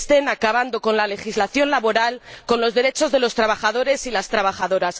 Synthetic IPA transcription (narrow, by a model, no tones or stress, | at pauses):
st̪e̞nakaβ̞and̪o̞ko̞nlale̞xizlaθjonlaβo̞ɾalko̞nlo̞zðe̞ɾe̞t͡ʃo̞zðe̞lo̞st̪ɾaβaxaðo̞ɾe̞silast̪ɾaβaχaðo̞ɾas